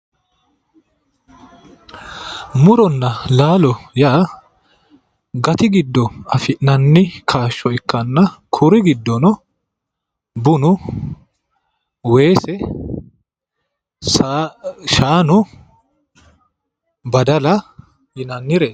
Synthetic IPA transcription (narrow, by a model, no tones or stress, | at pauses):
mʊɾɔnːɐlaːlɔjaː | ɡɐt̪ɪɡɪd̪ːɔɐfɪnɐnːɪkʰaːʃːɔɪkːɐnːɐkʰʊɾɪɡɪd̪ːɔnɔ | bʊnʊ | we̞ːsɛ | s | ʃaːnʊ | bɐd̪ɐlɐ | jɪnɐnːɪɾeːs